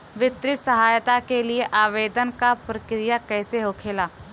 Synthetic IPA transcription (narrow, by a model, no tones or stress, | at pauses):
ʋɪt̪ɾɪt̪sɐɦaːjt̪akelieʔaːʋeːd̪ənkapɾəkɾɪjakɛːseɦokʰeːlaː